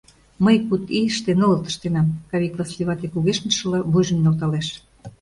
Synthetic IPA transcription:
məjkut̪iəʃt̪enolɤt̪ə̥̆ʃt̪enɑmkɑβʲiklˠɑslʲiβɑt̪ekuɣeʃnəʃɤ̆lɑβujʒə̆mnɑlt̪ɑleʃ

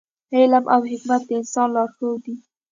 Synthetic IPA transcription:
elamʔawɦɪkmat̪̚d̪əɪnsɑnlɑɾxəwd̪i

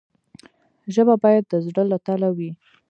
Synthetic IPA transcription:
ʒəbabɑjad̪̚ːəzɽəlat̪alawi

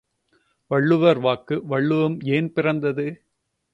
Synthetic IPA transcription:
ʋɐɭːɯʋɐɾʋaːkɯʋɐɭːɯʋɐmeːnpɪrɐnd̪ɐðɯ

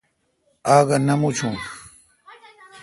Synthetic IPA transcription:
aːɢɑnamʊt͡ʃʊŋ

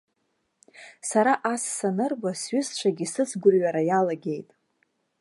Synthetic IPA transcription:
saɾaʔasːanɨrbasɥʏst͡ʃʷʰaɡʲisɨt͡sʰɡʷʊrɥaɾajalaɡʲe̞jtʼ

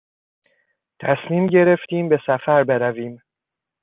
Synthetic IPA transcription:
t̪ʰæsmiːmɟe̞ɾeft̪iːmbe̞sæfæɾbe̞ɾæviːm

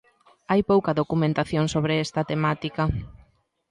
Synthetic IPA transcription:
ajpowkɐðokumẽnt̪aθjoŋsoβɾeɛst̪ɐt̪emat̪ikɐ

